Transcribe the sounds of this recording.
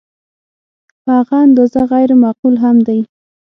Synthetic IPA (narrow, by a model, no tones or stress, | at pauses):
ɑɣɑnd̪ozaɣajɾmaqulɦamd̪aj